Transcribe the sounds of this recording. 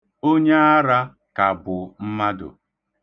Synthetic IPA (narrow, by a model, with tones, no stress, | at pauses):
o˦ɲe˦a˦ɾa˦ | ka˨bʊ˨m̩˦ma˦dʊ̰˨